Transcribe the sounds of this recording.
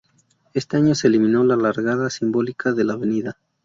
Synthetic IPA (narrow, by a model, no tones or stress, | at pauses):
e̞st̪e̞aɲo̞se̞ːlimĩno̞lalaɾɣaðasimbo̞likaðe̞laːβe̞niða